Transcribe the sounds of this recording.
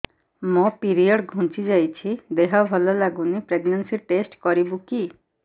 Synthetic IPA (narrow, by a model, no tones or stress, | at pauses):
mɔpiɾijɔɽɡʱũnt͡ʃid͡ʒajt͡ʃʰid̪eɦɔbʱɔlɔlaɡunipɾeɡnansiʈesʈkɔɾibuki